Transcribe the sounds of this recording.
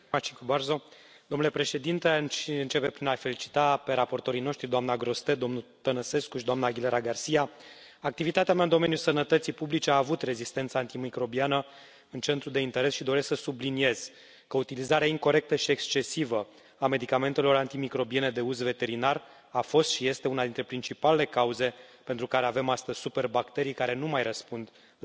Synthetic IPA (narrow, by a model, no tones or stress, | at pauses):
mat͡ʃikubarzo̞ | d̪o̞mnule̞pɾe̞ʃe̞d̪int̪e̞ɨnt͡ʃe̞pe̞pɾinafe̞lit͡ʃi̥t̪ape̞ɾapo̞rt̪o̞ɾino̞ʃt̪ɾid̪oamnaɡɾo̞st̪e̞d̪omnut̪ənəse̞skuʃid̪oamnaɡʲileɾaɡarsija | ak̚t̪ivit̪at̪eamaɨnd̪o̞me̞njulsənət̪ət̪sipublit͡ʃeaːvut̪re̞zist̪e̞nt̪sant̪imikɾo̞bianə | ɨnt͡ʃe̞nt̪ɾud̪e̞int̪e̞ɾe̞sʃid̪o̞ɾe̞sksəsublinie̞z̥ | kəut̪ilizaɾeaiŋko̞ɾe̞k̚t̪əʃie̞kst͡ʃe̞sivə | ame̞d̪ikame̞nt̪e̞lo̞ɾant̪imikɾo̞bie̞ne̞d̪e̞uzve̞t̪e̞ɾinar | afo̞st̪ʃije̞st̪e̞unad̪int̪ɾe̞pɾint͡ʃipalele̞kauze̞pe̞nt̪ɾukaɾe̞ave̞mast̪əzʲsupe̞rbakt̪e̞ɾijkaɾe̞numajɾəspund̪